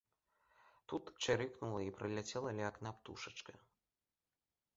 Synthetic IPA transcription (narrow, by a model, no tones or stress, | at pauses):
t̪ut̪t͡ʂɨɾɨknulˠɐipɾɨlʲat͡sʲɛlˠɐlʲɛaknapt̪ṵʂɐt͡ʂkɐ